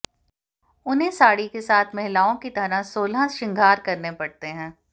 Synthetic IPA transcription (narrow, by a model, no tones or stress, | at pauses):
ʊnɦẽsaːɽikesaːt̪ʰmɛɦɪlaːõkit̪ɐɾasoːlãʃɪ̃ŋɡʱaːɾkɐɾnepɐɽt̪eɦɛ̃ː